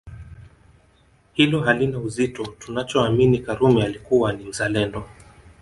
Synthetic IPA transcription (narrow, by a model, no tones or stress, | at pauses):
hilɔɦalinauzitɔtunat͡ʃɔaminikaɾumɛalikuwanim̩zalɛndɔ